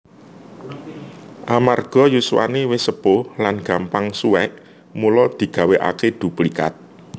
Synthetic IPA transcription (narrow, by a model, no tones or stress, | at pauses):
ʔamarɡ̥ɔ̤juswa̰newɪsəpolanɡ̥a̤mpaŋsuɛʔ | mulɔd̪̥i̤ɡ̥a̤weʔa̰ked̪̥ṳplika̰t̪̚